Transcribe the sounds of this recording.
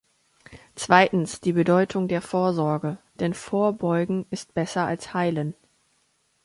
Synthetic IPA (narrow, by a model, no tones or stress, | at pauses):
t͡sv̥aɪtn̩sd̥iːbədɔʏtʰʊŋdeːɐfoːɐzɔɐɡəd̥ɛnfoːɐbɔʏɡŋ̩ɪst̚b̥ɛsɐalshaɪlən